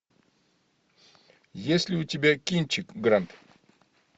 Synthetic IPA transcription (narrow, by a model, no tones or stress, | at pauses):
jesʲlʲɪʊtʲɪbʲakʲint͡ʃɪkɡɾant̪